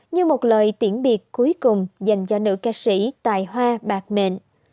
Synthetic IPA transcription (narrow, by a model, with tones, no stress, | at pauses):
ɲɨ˧mo˨˩t̚ləː˨˩jt̪i˧˩ənɓi˨˩ət̚ku˨˦jkʊ˨˩ŋ͡mza˨˩jŋ̟t͡ɕɔ˧nɨ̰˧˥kaː˧sḭ˧˥t̪a̰ː˧˨jhwaː˧ɓaː˨˩k̚mḛ˧˨n